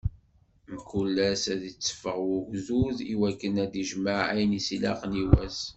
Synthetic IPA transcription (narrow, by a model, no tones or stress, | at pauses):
mkulːæsæðit͡sːə̥fəʁwʊʝzuðiwækːənæd̪iʒməʕæjnisilɑ̰qniwæs